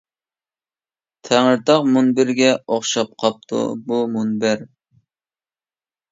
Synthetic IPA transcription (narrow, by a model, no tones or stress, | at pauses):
t̪ʰæŋəɾt̪ɑqmunbɪɾɡʲɛoχʃɑp̚qʰɑp̚t̪ʰṵbumunbɪɾ